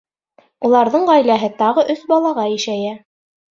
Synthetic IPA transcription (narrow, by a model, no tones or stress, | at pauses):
ulˠɑɾðɤɴʁɑjlæɦɘt̪ɑʁɤʔɵsbɑlˠɑʁɑjɘʃæjæ